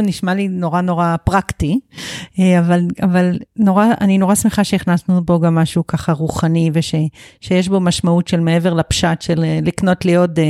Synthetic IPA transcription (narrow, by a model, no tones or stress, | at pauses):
niʃmalino̞ʁano̞ʁapʁakti | eavalavalno̞ʁaanino̞ʁasmeχaʃeiχnasnubo̞ɡamːaʃukaχaʁuχanive̞ʃe̞ʃejeʃ̬bo̞maʃmautʃe̞lmee̞ve̞ʁlapʃatʃelelikno̞tlijo̞t